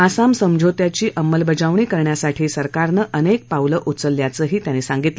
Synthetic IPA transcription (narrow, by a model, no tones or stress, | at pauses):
asamsəmd͡ʑʱot̪jat͡ɕiːʔəmːəlbəd͡zaʋɳiːkəɾɳjasaʈʰiːsəɾkaɾnəʔənek̚pawləʔut͡səlːjat͡səːɦiːt̪janisãŋɡit̪lə